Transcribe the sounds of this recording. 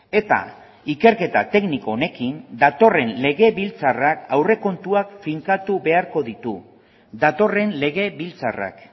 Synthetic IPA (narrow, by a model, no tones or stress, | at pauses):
e̞t̪a̰ | ike̞ɾke̞t̪a̰t̪e̞kniko̞one̞kind̪at̪o̞re̞nle̞ɣe̞βilt͡sarakawre̞ko̞nt̪uakfiŋkat̪uβe̞aɾko̞ðit̪ṵ | d̪at̪o̞re̞nle̞ɣ̞e̞βilt͡sa̰ra̰k